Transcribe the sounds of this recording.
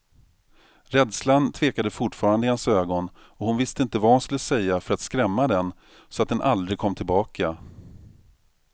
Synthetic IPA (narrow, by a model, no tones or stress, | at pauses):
ɾɛd̪slant̪ʰv̥eːkad̪əfʊʈfɑːɾand̪əɪhansøːɡɔn | ɔhʊnvɪst̪əɪnt̪əvahʊnskɵlːəsɛjːafœɾat̪skɾɛmːad̪ɛn | sɔat̪̚d̪ɛnʔa̰ld̪ɾɪɡ̚kʰɔmːt̪ʰɪlbɑːkʰa